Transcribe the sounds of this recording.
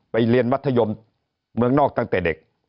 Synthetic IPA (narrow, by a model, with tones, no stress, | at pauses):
ɓa˧˩jli˧ənma˦˥t̪ʰːjo˧˩m | mɨ˧˦əŋnɔː˧˩k̚t̪a˧ŋt̪eː˨˩ɗe˨˩k̚